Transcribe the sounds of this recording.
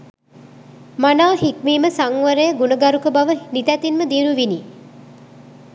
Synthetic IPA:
manaːɦikmiːməsaŋʋəɾəjəɡunəɡaɾukəbaʋənit̪æt̪inməd̪iːnuʋiniː

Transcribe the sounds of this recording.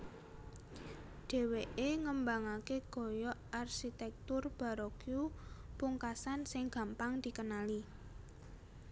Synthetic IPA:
ɖ̥e̤weʔeŋəmbaŋakeɡ̥ɔ̤jɔʔarʃit̪ɛk̚t̪ʊrb̥a̤ɾɔkjupuŋkasansɪŋɡ̥a̤mpaŋd̪̥i̤kənali

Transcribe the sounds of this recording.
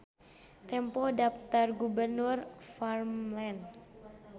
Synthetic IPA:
t̪ɛmpɔdap̚t̪arɡubərnʊrfarmlɛn

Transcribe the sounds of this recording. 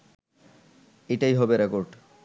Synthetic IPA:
eʈajɦɔbeɾekoɾɖ

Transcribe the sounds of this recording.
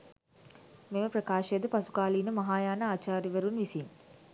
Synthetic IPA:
meməprɐkaːʃɐjəd̪əpasu̥kaːliːnəmɐɦaːjaːnəaːt͡ʃaːɾiʋeɾunʋisin

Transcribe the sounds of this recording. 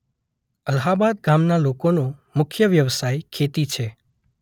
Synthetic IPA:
əlɦabad̪̚ɡamnalokonomʊkʰjəʋjəʋsajkʰet̪it͡ʃʰe

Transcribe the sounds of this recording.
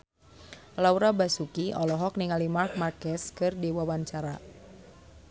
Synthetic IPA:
lauɾabasukiɔlɔɦɔk̚niŋalimark̚markɛskɨrdewawaɲt͡ʃaɾa

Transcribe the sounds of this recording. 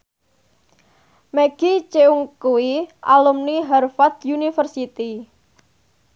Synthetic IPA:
mɛɡ̥it͡ʃeuŋkuwiʔa̰lumniɦarfat̪̚junifərsit̪i

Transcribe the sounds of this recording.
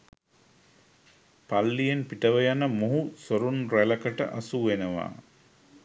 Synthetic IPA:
palːijenpiʈəʋəjanəmoɦusoɾunræləkəʈə̰ʔasuʋenəʋa̰ː

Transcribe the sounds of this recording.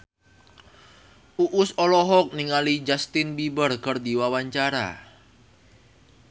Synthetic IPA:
uʔʊsɔlɔɦɔk̚niŋalid͡ʒast̪ɪnbibərkərd̪iwawaɲt͡ʃaɾa̰

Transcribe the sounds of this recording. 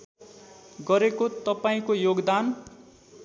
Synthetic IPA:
ɡʌɾekot̪ʌpaĩkojoɡd̪an

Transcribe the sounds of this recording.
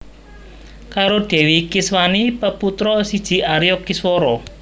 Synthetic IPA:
kaɾoɖ̥ɛ̤wikɪswanipəput̪ɾɔsid̥ʒ̥i̤ʔaɾjɔkiswɔɾɔ

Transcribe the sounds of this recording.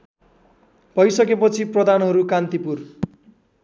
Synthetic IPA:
bʱʌjsʌkepʌt͡sʰiprʌd̪ʱanɦʌɾukant̪ipur

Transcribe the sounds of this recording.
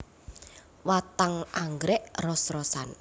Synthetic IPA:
wat̪aŋaŋɡɾɛʔrɔsrɔsan

